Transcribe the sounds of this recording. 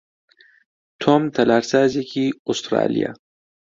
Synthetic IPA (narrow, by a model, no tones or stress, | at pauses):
t̪ʰomt̪ʰɐlaːɾsaːzikiust̪ɾa̰ːlḭja̰